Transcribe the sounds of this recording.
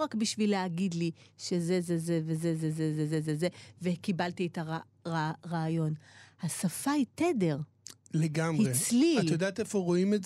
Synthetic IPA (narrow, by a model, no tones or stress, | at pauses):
ʁakbiʃvileaɡid̪liʃezezezevezezezezezezezevekibalt̪ietaʁa | ʁaʁaːjo̞nhasafaitede̞ʁ | leɡamhiʁet͡sliatajodaːtefoʁo̞imez